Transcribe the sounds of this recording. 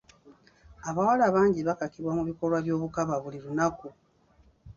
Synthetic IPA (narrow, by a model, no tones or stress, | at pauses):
aβawalaβaːɲɟiβakakiβwamuβiko̞lwaβjo̞ːβukaβaβuliɾunaku